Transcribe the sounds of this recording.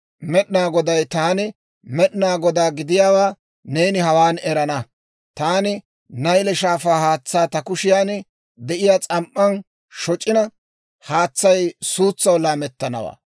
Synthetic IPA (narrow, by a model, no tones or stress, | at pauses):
mɛɗnaːɡɔd̪ɐjt̪aːnɪ | mɛɗnaːɡɔd̪aːɡɪd̪ɪjaːwaː | neːnɪhɐwaːnɛɾɐnɐ | t̪aːnɪ | nɐjlɛʃaːfaːhaːt͡sːaːt̪ɐkʊʃɪjaːn | d̪ɛʔɪjaːt͡sʼɐmʔːɐn | ʃɔt͡ʃʼːɪnɐ | haːt͡sːɐjsuːt͡sːɐwlaːmɛt̪ːɐnɐ̰wa̰ː